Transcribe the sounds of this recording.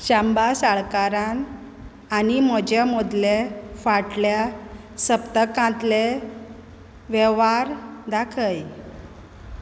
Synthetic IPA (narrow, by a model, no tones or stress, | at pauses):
ɕambasaɭkaɾãn | añiməd͡ʑjamud̪lefaʈlja | səpt̪əkãt̪le | ʋeʋaɾd̪akʰəj